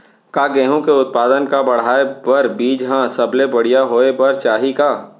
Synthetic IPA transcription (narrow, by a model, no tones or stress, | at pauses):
kaːɡeːɦõkeʊt̪̚paːd̪ənkabɐɽ̤aːepɐɾbiːd͡ʒɦãsɐblebɐɽ̤ijaɦoːepɐɾt͡ʃaːɦikaː